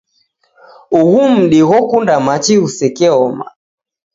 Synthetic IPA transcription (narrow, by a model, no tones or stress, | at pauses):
uɣum̩ɗiɣɔkundamat͡ʃiusɛkɛɔma̰